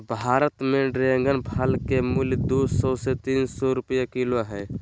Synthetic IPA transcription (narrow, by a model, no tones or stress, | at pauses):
bʱaːɾət̪mẽɖɾeŋɡənbʰʱalkemuljd̪oːsɔset̪iːnsɔɾʊpəjakiloɦɛ